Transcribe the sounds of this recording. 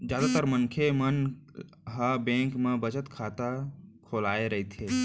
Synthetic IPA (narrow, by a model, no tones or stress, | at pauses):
d͡ʒjaːd̪at̪əɾmənkʰemən | ɦabẽːŋkmẽbət͡ʃət̪kʰaːt̪akʰoːlaːeɾəɦit̪ʰe